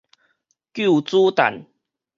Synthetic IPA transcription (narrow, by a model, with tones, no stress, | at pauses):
kju˥˨t͡su˦t̪a̰˨˩n